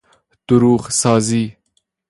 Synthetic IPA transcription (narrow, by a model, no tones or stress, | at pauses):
d̪̥ʊɾuːʁsɑːzi